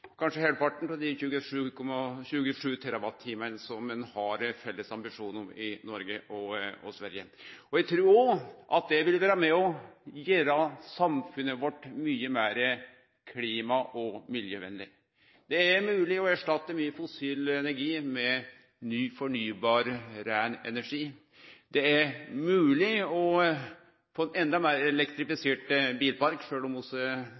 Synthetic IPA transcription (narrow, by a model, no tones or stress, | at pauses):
kʰɑnʂəheːlpɑʈːɳ̩pɔd̪ɪçʉːɡəʂʉːkʰɔmɑçʉːɡəʂʉːt̪ʰɛɾɑbɑt̪ʰːiːmənəsɔmːɛnhɑɾfɛlːəsɑmbɪʂuːnɪnɔɾɡəʔɔɔ̰sʋæɾjəɔjɛɡt̪ʰɾuːoʔɑt̪̚d̪ɛʋɪlʋæːɾəmɛɔjeːɾɑsɑmfʉnəʋɔʈːmyːəmeːɾə | kʰliːmɑʔɔmɪljəʋɛ̰nlɪ̰ | d̪̥ɛæɾmʉːlɪɔæʂʈɑt̪ːəmyːəfʊsiːlɛnæɾɡiːmɛ | nyːfɔɳyːbɑːɾɾæːɳɛ̰næʂiː | d̪ɛæɾmʉːlɪɔ | foːɛnɛnd̪ɑmeːɾɛlɛkt̪ɾɪfɪseːʈbiːlpɑɾkʂøːlɔmɔsə